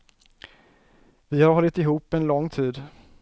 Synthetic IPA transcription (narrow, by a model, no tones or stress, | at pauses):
vɪhaɾɦɔlːɪt̪ɪɦuːpːɛnlɔŋːt̪ʰiːd̪